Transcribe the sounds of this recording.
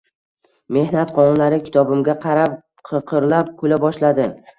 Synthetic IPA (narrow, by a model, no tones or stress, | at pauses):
me̞hnat̪qʰɒnnlaɾɪkʲʰɪ̥t̪ʰɒbɪmɡʲaqʰɑɾap | qʰɨqʰɨɾlap̚kʰʊlabɒʃlad̪ɪ